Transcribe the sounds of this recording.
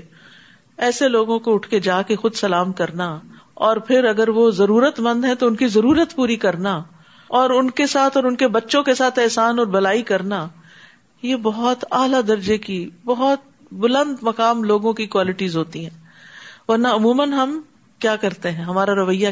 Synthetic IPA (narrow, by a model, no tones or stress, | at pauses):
ɛːseloːɡõkoʊʈʰked͡ʒaːkexʊd̪sɐlaːmkɐɾna | ɔːɾpʰɪɾɐɡəɾʋozɐɾuːɾət̪mɐ̃nd̪ɦɛ̃t̪oʊnkizɐɾuːɾət̪puːɾikɐɾna | ɔːɾʊnkesaːt̪ʰɔːɾʊnkebɐtːʃõkesaːt̪ɛːsaːnɔːɾbɐlaːikɐɾna | jebɔɦʊt̪aːlad̪ɐɾd͡ʒekibɐɦɔt̪̚ | bʊlə̃nd̪mɐkaːmloːɡõkikwaːlɪʈizɦoːt̪iɦɛ̃ː | ʋɐɾnaʊmuːmənɦɐm | kjaːkɐɾt̪eɦɛ̃ɦɐmaːɾaɾɐʋəjːa